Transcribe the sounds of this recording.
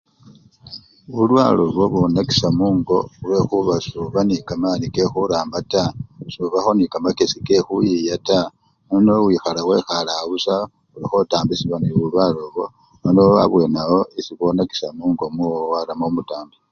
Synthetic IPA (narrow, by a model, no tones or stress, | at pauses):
βulwaloβoβonaki̥samuːŋɡo̞ule̞xuβasuβanikamanikexuɾaːmbatasuβaxo̞nikamakesike̞xujijata | nonowiːxalawe̞xalaβusa | ulixotaːmbisiβaniβulwaloβo̞ | nonoa̰βwe̞ːnawo̞isiβonaki̥samuːŋɡo̞muowaɾamomutaːmbi